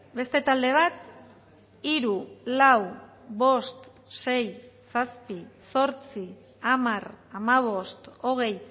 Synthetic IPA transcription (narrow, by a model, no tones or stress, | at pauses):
be̞st̪e̞t̪ald̪e̞β̞at̪ | iɾulaw | βo̞st̪ | se̞jsaspiso̞ɾt͡si | amaramaβ̞o̞st̪o̞ɣ̞e̞j